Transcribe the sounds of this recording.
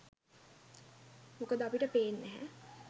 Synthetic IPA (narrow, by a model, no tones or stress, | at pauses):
mokəd̪əɐpiʈəpeːnːɛɦɛ̰